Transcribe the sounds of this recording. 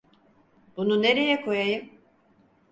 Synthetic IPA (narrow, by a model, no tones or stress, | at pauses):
bununeɾe̞jɛkʰo̞jajɯm